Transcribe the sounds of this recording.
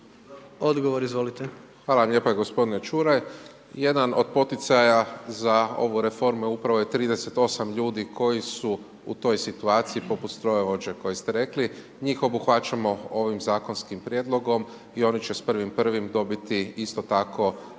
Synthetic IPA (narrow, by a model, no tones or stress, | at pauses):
od̪ɡoʋoɾizʋolit̪exʋaːlaʋamʎʲe̞ːpaeɡo̞spo̞d̪inet͡ʃuɾaj | je̞d̪ano̞d̪̚po̞t̪it̪sajazao̞̰ʋuɾe̞fo̞ɾmuupɾaʋo̞jet̪ɾiːd̪e̞se̞t̪o̞samʎuːd̪iko̞jisu | ṵt̪o̞jsit̪uaːt̪siipo̞put̪st̪ɾoeʋo̞d͡ʑe̞ko̞jest̪eɾe̞kli | ɲiːxo̞buxʋat͡ʃamo̞o̞ʋimzaːko̞nskimpɾʲje̞d̪lˠo̞ɡo̞m | io̞nit͡ʃespr̩ʋimpr̩ʋimd̪o̞bit̪iist̪o̞t̪ako̞